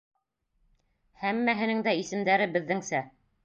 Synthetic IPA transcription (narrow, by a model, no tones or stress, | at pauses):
hæmːæɦɘ̆nɘŋd̪æisɘ̆md̪æɾɘbɘ̆ðːɘŋsæ